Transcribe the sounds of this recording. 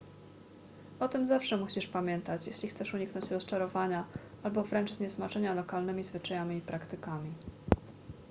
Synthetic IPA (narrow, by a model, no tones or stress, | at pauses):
ɔt̪ɘmzafʂɛmuɕiʂpamʲjɛnt̪at͡ɕjɛɕlʲixt̪sɛʂuɲiknɔɲt͡ɕɾɔst͡ʂaɾɔvaɲaalbɔvɾɛnt͡ʂzɲɛsmat͡ʂɛɲalɔkalnɛmʲizvɘt͡ʂajamʲiːpɾakt̪ɘkamʲi